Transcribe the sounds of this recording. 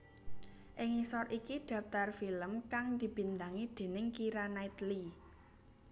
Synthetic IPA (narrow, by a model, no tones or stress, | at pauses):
ʔɪŋisɔrʔikid̪̥ä̤ft̪arfiləmkaŋd̪̥i̤b̥i̤nd̪aŋid̪̥e̤nɪŋkiɾanait̪li